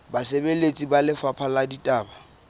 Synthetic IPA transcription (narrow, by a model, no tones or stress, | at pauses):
basebelet͡sʼibalɪfapʰaladitʼaːba